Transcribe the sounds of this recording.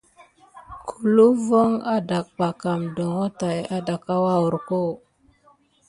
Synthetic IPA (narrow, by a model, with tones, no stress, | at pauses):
kʰu˨lu˦vo˦ŋa˦da˨k̚ba˨ka˨mdo˨ŋo˦ta˨ja˦da˨ka˦wa˦wu˨ɾko˦˨